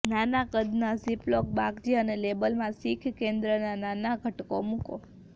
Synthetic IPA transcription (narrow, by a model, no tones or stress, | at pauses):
nanakəd̪nasiplok̚bakd͡ʒ̪iənelebəlmãsikʰkẽnd̪ɾənananaɡʱəʈkomũko